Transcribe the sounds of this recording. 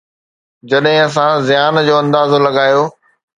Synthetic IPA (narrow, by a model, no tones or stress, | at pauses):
d͡ʑɐɗɦɪ̃ɐs̬ãzɪjaːnd͡ʑoːɐ̃nd̪aːzolɐɠaːjoː